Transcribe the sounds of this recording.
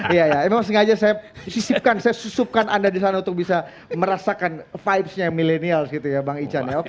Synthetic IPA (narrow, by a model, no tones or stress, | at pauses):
jajaɛmemaŋs̬əŋad͡ʒasajasisip̚kansajasusup̚kanʔandadis̬anaunt̪ʊk̚bisa | məɾasakanfajpsɲajaŋmilenialsɡit̪ujabaŋit͡ʃanjaok